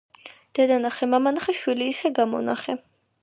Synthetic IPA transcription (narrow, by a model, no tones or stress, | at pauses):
d̪̥ɛd̪anaχɛmamanχɛʃwiliːsɛɡamɔ̰na̰χɛ